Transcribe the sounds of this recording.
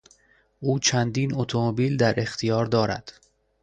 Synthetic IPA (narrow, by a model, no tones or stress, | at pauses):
ʔuːt͡ʃʰænd̪iːnot̪ʰomobiːld̪æɾʔe̞xt̪ʰijɒːɾd̪ɒːɾæ̰d̪̥